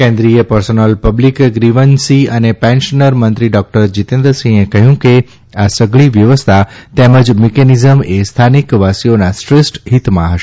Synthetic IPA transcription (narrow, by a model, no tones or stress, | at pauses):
kɛ̃nd̪ɾijəpəɾsonəlpəblikɡɾiʋənsiənepɛ̃nʃənəɾmənt̪ɾiɖɔk̚ʈəɾd͡ʒit̪ẽnd̪ɾəsĩekəɦjũke | asəɡɭiʋjəʋəst̪ʰat̪ɛməd͡ʒmikɛnizəmest̪ʰanikʋasionasʈɾɪsʈɦit̪mã̰ɦəʃe